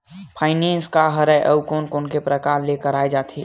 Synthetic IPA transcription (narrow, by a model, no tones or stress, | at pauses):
pʰaːɪnẽnskaɦəɾəʔəukoːnkoːnkepɾəkaɾlekəɾaːed͡ʒaːt̪ʰi